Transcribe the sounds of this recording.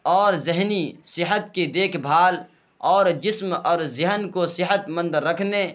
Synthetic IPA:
ɔːɾzɪɦnisɪɦət̪̚kid̪eːkʰbʱaːl | ɔːɾd͡ʒɪsmɔːɾzɪɦənkosɪɦət̪mə̃nd̪əɾːəkʰne

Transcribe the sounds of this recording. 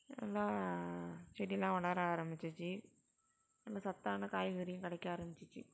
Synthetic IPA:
ɛ̰lːaː | t͡ʃɛɽɪlːãːʋɐɭaːɾaːɾɐmbɪt͡ʃːɯt͡ʃːɯ | ɛlːaːsɐt̪ːaːnɐkaːjʋɯːɾɪjʊ̃kɐɽɐkːaaːɾɐmbɪt͡ʃːɯt͡ʃːɯ̰

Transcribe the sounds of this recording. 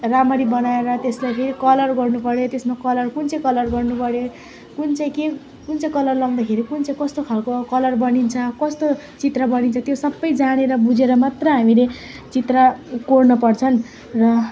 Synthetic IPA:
ramʌɾibʌnaeɾʌt̪eslajpʰeɾikʌlʌrɡʌrnupʌɽjot̪esmakʌlʌrkunt͡sʌj̃kʌlʌrɡʌrnupʌɽjo | kunt͡saj̃ke | kunt͡saj̃kʌlʌrlʌwd̪akʰeɾikunt͡saj̃kʌst̪okʰalkokʌlʌrbʌnint͡sʰʌkʌst̪o | t͡sit̪rabʌnint͡sʰʌt̪josʌbːʌjd͡zaɽ̃eɾʌbud͡zeɾʌmat̪rʌjɦamile | t͡sit̪rakornʌpʌrt͡sʰʌn | rʌ

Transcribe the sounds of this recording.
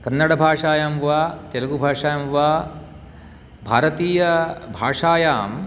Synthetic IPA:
kɐnːɐɽɐbʱaːʂaːjaːmʋaːt̪ɐlɐɡubʱaːʂaːjamʋaː | bʱaːɾɐt̪iːjɐbʱaːʂaːjaːm

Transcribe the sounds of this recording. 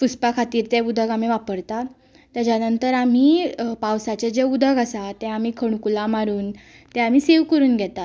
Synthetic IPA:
fuspakʰat̪iːɾt̪ɛud̪ʱəɡam̤iːʋapəɾt̪a | t̪ad͡ʑjanənt̪əɾam̤iːpawsat͡ɕed͡ʑeud̪ʱəɡasat̪ɛam̤iːkʰəɽ̃kulamaɾuːn | t̪ɛam̤iːseʋkəɾuːnɡʱɛt̪a

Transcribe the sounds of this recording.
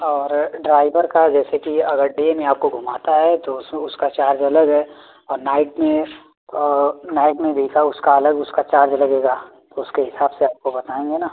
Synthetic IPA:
ɔːɾɖɾaːɪbəɾkad͡ʒɛːsekiɐɡəɾɖeːmẽaːp̚koɡʱʊmaːt̪aɦɛt̪oʊsʊskat͡ʃaːɾd͡ʒɐləɡɦɛː | ɔːɾnaːɪʈmẽ | ɔːnaːɪʈmẽbʱiːkaʊskaɐləɡʊskat͡ʃaːɾd͡ʒɐlɐɡeːɡaː | t̪oʊskeɦɪsaːbseaːp̚kobɐt̪aːẽːŋɡenaː

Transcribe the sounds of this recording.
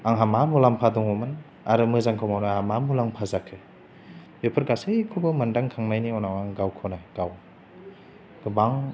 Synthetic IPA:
aŋɦamamulampʰadɔŋɔmɯn | aɾɯmɯzaŋkʰɔwmawnaamamulaŋpʰazakʰɯ | jopʰɯɾɡasejkʰubɯmɯndaŋkʰaŋnajniɔnawaŋɡawkʰɔnajɡ̥aw | ɡ̥ɯbaŋ

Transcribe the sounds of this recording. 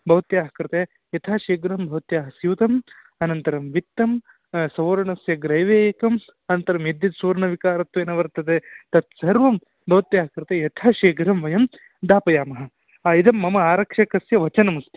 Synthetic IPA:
bʱɐʋɐt̪jaːɦɐkɾɐt̪e | jɐt̪ʰaːʃeːɡɾɐmbʱɐʋɐt̪jaːɦɐsiʋt̪ɐm | ɐnɐnt̪ɐɾɐmʋit̪ːɐm | sɐʋɾɐɳɐsjɐɡɾɐjʋeːjɐkɐm | ɐnɐnt̪ɐɾɐmjed̪jɐd̪suːɾɐɳɐʋikaːɾɐt̪ʋeːnɐʋɐɾt̪ɐd̪et̪ɐt̪̚sɐɾʋɐm | bʱɐʋɐt̪jaːɦɐkɾt̪ejɐt̪ʰaːʃeːɡɾɐmʋɐjɐm | d̪aːpɐjaːmɐɦɐ | aːid̪ɐmːɐmɐaːɾɐkʂɐkɐsjɐʋɐt͡ʃɐnɐmust̪ʰi

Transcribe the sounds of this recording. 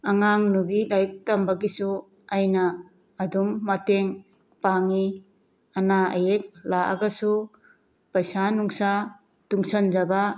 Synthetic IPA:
aŋaŋnubilajk̚tɐmbaɡisu | ajnɐː | dumːateŋ | paŋi | anaɐ̰jek̚laʔa̰ɡɐsu | pɐjsanuŋsa | tuŋsand͡ʒaba

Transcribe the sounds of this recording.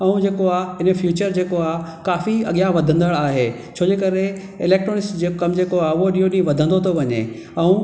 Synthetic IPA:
ɐũd͡ʑeːkoaːɦɪnəfjuːt͡ɕəɾd͡ʑeːkoaːɦkaːfiɐ̰ɠijaʋɐd̪ʱə̃nd̪əɭaːɦeː | t͡ɕʰoːd͡ʑekɐɾe | ɪleːk̚ʈɾoːnɪsʈd͡ʑeːkɐmd͡ʑeːkoaːʊɦoɗĩjoɗĩʋɐd̪ʱə̃nd̪ot̪ʰoʋɐɲḛ | ɛũ

